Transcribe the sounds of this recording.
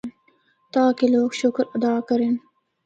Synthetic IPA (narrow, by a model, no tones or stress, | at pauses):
n | t̪ɑːkeloːkʃʊkɾad̪ɑːkɐɾen